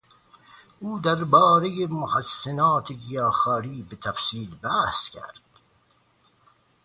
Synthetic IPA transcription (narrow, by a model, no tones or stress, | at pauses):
ʔuːd̪æɾbɒːɾejemohæsːenɑːt̪ʰeɡijɑːxɑːɾiːbet̪ʰæfsiːlbæhskʲʰæ̰ɾd̪̥